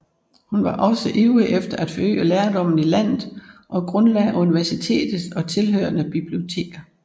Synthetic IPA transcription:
hunʋɑ̈ʔɒ̽səʔeʊəʔefd̥ɐæd̥fɒø̰ːəleːɐd̥ɒ̽m̰n̩ilæn̰ð̩ˠʔɒ̽ɡ̥ʁɔ̽nlɛ̰ːʔuniʋæɐsit͡sʰe̝̰ːd̥ð̩ˠsɒ̽t͡sʰe̝lɦøːɐnəb̥ib̥lio̝t͡sʰe̝̰ːɡ̥ɐ

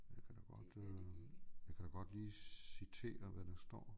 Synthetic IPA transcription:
jakʰæd̥ɑɡ̥ɒd̥ | jɑkʰæɾ̥ɑɡ̥ɒ̽d̥liːsit͡sʰe̝̰ːɐʋæɾ̥ɑ̈sd̥ɒ̰ː

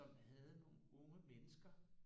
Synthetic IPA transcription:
ɒ̽mhæð̞ˠno̝ːn̩ɔ̽ŋəmenəsɡ̥ɐ

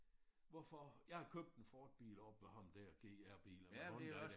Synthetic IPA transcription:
ʋɒfɒjɑ̈ɪhɑ̈kʰøb̥̚d̥enfɒːd̥̚b̥ḭːlɒ̽b̥ʋe̝ɦɑ̈md̥æɐɡ̥e̝̰ːæɐ̰b̥ḭːlɐmɔ

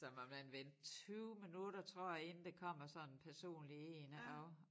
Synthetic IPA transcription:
sɒ̽mɒ̽mmænʋen̰d̥̚t͡sʰyːʊminuɾ̥ɐt͡sʰʁoɐ̰e̝nn̩d̥e̝kʰɒ̽m̰ɐsɒ̽n̩pʰæɐso̝̰ːnlieːnəɒ

